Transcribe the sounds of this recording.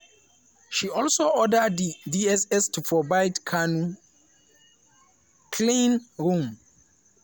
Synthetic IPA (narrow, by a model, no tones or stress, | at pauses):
ʃiɔlsoʔɔdədidiɛsɛstʰupʰɹɔbaɪdkʰanu | kʰlĩnɹũm